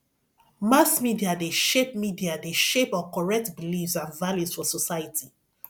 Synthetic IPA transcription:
masmidiadeʃep̚midiadeʃepɔkɔɹɛk̚tbilifsãnvaljusfɔsɔsajəti

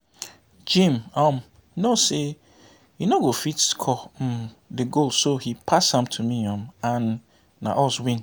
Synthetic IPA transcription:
d͡ʒĩmɔ̃m | nose | jinoɡofitskʰɔ | deɡolsohipʰashãmtʰumiɔ̃mãnː | a̰ʔɔswĩn

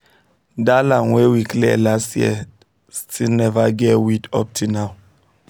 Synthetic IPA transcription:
dalãŋwewiklɛ̰lastjɛ̰ | stʰinɛvaɡɛwidɔ̰p̚tʰunaw

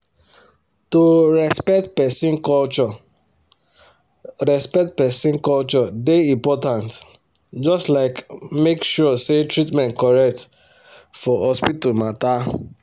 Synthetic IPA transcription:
toɾɛspɛtpɛsĩnkɔlt͡ʃɔ | ɹɛspɛk̚tpɛsĩnkɔlt͡ʃɔdeĩmpɔtãnt | d͡ʒɔstlaɪkmekʃɔsetɹitmɛ̃nt̚kɔɹɛk̚t | fɔhɔspitomata

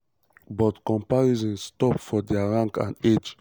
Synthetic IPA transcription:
bɔtkɔ̃mpaɹizɔ̃nstɔpfɔdɛaɹãŋkã̰ned͡ʒ

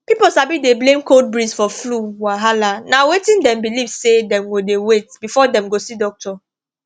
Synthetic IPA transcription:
piposabideblẽmkold̚bɹisfɔfluwaɦalanawetĩndɛ̃mbilivsedɛ̃mɡodewet̚bifɔdɛ̃mɡosidɔk̚tʰɔ

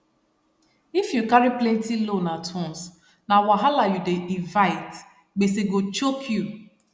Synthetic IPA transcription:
ifjukaɾiplẽntilonatʰɔ̃ns | nawaɦalajudeʔivaɪt | ɡ͡beseɡot͡ʃokʰju

